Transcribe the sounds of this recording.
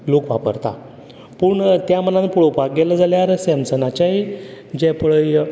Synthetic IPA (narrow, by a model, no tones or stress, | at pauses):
lokʋapə̰ɾt̪a̰ | pəɳt̪jamənãnpuɭopak̚ɡɛləd͡zaljaɾsɛmsənat͡ɕaid͡ʑɛpəɭəj